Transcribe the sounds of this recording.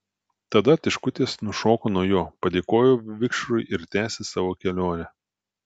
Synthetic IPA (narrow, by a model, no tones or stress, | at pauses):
t̪ɐd̪ɐt̪ʲɪʃkʊt̪ʲeːsnʊʃoːkoːnɔjoːpɐd̪ʲeːkoːjoːʋʲɪkʃɾʊɪʔɪɾt̪ʲæːsʲɪsɑːʋoːkʲɛlʲoːnʲɛ